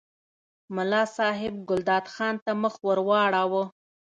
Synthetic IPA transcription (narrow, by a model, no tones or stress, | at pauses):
mʊlɑsɑɦɪb̚ɡʊld̪ɑt̪xɑnt̪aməxwəɾwɑɽɑwə